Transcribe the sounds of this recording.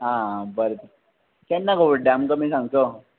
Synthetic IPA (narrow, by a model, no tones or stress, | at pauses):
ɦãbəɾt̪əɾ | kɛ̃nːakobəɖamkamiːsãŋɡt̪o